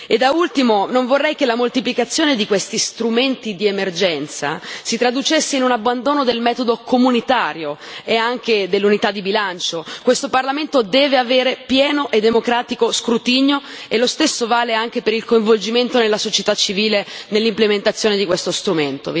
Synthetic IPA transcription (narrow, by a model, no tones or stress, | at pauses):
ed̪ːault̪imonoɱvorːɛjk̟elamolt̪iplikat̪sːjoːned̪ikwest̪ist̪ɾument̪id̪iemerd͡ʒɛnt̪sa̰sit̪ɾad̪ut͡ʃesːeinunabːand̪oːnod̪elmɛːt̪od̪okʰomunit̪aːɾjo | eaŋk̟ed̪elːunit̪ad̪ːibilant͡ʃokwest̪oparlament̪od̪ɛːveaveːɾepjɛːnoʔed̪ːemokɾaːt̪ikoskɾut̪iɲo | elːost̪esːovaːleaŋk̟epeɾilkoĩɱvold͡ʒiment̪onelːasot͡ʃet̪at͡ʃːiviːlenelːimplement̪at̪sːjoːned̪ikwest̪ost̪ɾument̪o̰